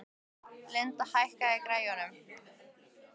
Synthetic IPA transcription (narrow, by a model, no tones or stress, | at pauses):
lent̪ahajhkaɪkɾaːjanʏm